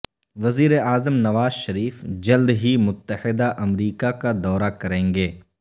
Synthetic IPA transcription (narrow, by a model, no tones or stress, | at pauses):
ʋɐziːɾeaːzəmnɐʋaːzʃɐɾiːfd͡ʒɐld̪ɦimʊt̪ːəhɪd̪aʔɐmɾiːkakad̪ɔːɾakɐɾẽːŋɡeː